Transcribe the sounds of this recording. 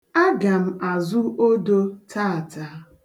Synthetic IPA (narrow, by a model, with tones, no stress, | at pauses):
a˦ɡa˨m̩˨a˨zʊ˦o˦do˦tʰa˦˨ta˦